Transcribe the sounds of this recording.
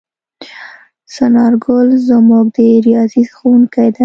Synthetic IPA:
sanɑɾɡʊlzəmuɡ̚d̪əɾijɑzizxowuŋkajd̪a

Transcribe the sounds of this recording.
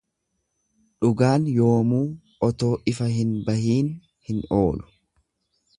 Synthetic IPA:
ᶑʊɡaːnjo̞ːmuː | ɔt̪o̞ːʔɪfɐɦɪnbɐhiːn | hɪno̞ːlʊ̥

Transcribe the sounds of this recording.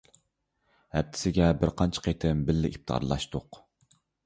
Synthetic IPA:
hɛp̚t̪ʰɪ̥sɪɡʲɛbɪɾqʰɑnt͡ʃʰə̥qʰet̪ʰɪmbɪlːɪʔip̚t̪ʰɑ̰ɾlˠɑ̰ʃt̪ʊq

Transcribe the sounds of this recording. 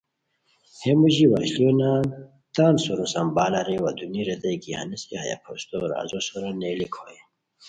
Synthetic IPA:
hemuʑiwaɕlionaːn | t̪aːnsoɾosɐmbaːlaɾewad̪uniɾed̪ɐjkiha̰niskeha̰ja̰pʰost̪oɾa̰ːzosoɾaneːlikʰoje

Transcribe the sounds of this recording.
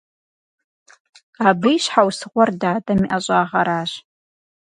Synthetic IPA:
abɨjɕħawsɨʁʷɔrdaːdʼɐmiʔɐɕʷʼaːʁɐɾaːɕ

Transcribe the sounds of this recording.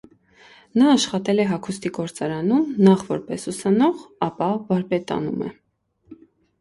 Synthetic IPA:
nɑːʃχɑt̪ɛlɛɦɑkʰust̪iɡɔɾt͡sɑɾɑnumnɑχvɔɾpɛsusɑnɔʁɑpɑvɑɾpɛt̪ɑ̰nṵmɛ̰

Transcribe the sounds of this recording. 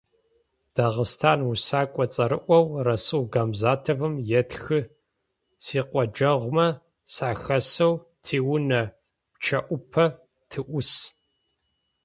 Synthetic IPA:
d̥aːʁəstʰaːnwusaːkʷʼɔt͡sʼɐɾɨʔʷɔwrɐsɨwɡaːmzaːtʰɐvɨmjɛtxɨ | siːqʷʼɔd͡ʒɐʁʷmɐ | saːxɐsɐwtʰiːwʊnɐ | pt͡ʃʰɐʔʷʊpʰɐ | tʰɨʔʷʊs

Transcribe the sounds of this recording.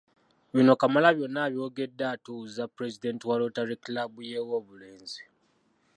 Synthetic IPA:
βino̞kamalaβjo̞nːaːβjo̞ːɡe̞dːaːtuzapuɾe̞zide̞ntiwalotaɾeklabujewoːβule̞ːnzi

